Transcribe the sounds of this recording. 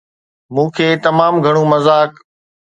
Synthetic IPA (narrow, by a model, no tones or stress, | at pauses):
mũːkʰeːt̪ɐmaːmɡʱɐɽ̃ũːmɐzaːk